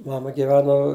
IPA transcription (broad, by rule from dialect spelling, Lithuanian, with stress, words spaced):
ˈmɑːmɐ ɡʲɪˈʋʲæːnoː